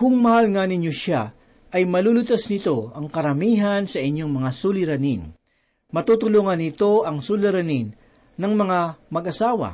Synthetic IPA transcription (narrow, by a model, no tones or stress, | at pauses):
kʊŋmɐhalŋanɪɲjoʃa | ʔɐjmɐlulʊt̪asnɪt̪o̞ɐŋkɐɾɐmiːɦɐnsɐʔɪɲjoŋmɐŋasulɪɾɐnin | mɐt̪uːt̪ʊluŋɐnɪt̪o̞ʔɐŋsulɪɾɐninː | ɐŋmɐŋamɐɡʔɐsaːwɐ̰